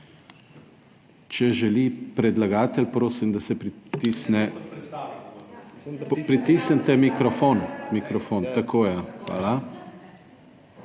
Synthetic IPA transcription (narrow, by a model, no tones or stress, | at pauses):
t͡ʃɛʒɛlipɾɛd̪laɡaːt̪ɛlpɾoːsimd̪asɛpɾit̪isnɛ | pɾit̪isənt̪ɛmikɾɔfoːnmikɾɔfoːnt̪akʰoːjaxʋa̰ːla